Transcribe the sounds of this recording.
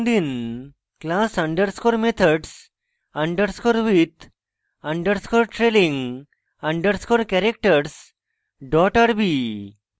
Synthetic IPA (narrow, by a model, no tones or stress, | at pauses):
d̪in | klasə̃ɳɖəɾskoɾmet̪ʰəɖs | ɐ̃ɳɖəɾskoːɾʋit̪ | ə̃ɳɖəɾskoɾʈɾelĩŋ | ɐ̃ɳɖəɾskoɾkɛɾek̚ʈəɾs | ɖɔʈaɾbi